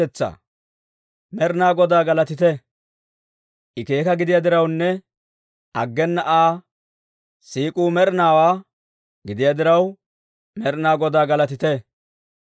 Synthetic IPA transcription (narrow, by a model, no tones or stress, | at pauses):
ɛt͡sːɐ̰ | mɛɾnaːɡɔd̪aːɡɐlɐt̪ɪt̪ɛ | ʔɪke̞ːkɐɡɪd̪ɪjɐd̪ɪɾɐwnːɛ | ɐɡːɛnːɐʔaː | siːkʼuːmɛɾnaːwaː | ɡɪd̪ɪjad̪ɪɾɐw | mɛɾnaːɡɔd̪aːɡɐlɐt̪ɪt̪ɛ